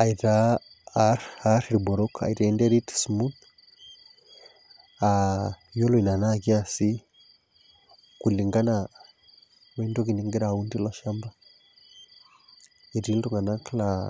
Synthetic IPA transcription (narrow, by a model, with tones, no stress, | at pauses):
a˨i˨ɾa | ɾaɾiɾibɔ˨ɾɔ˦ka̰˨iɾai˦nde˦ɾi˦tsmu˦t̪ | ajɔ˦lɔ˨i˨na˨na˦ki˦a˨si˦ | kuli˨ŋɡa˦na | mɛ˦ndo˦ki˨ni˨ŋɡi˦ɾa˨undi˦laʃa˦mba˦ | i˨ɾi˦lduŋɡa˨na˦kla